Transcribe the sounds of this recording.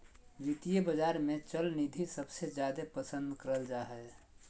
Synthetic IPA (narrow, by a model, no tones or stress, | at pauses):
ʋit̪ijebəd͡ʒaːɾmẽt͡ʃəlnid̪ʱisəbsed͡ʒjaːd̪epəsə̃nd̪kəɾəld͡ʒaːɦɛ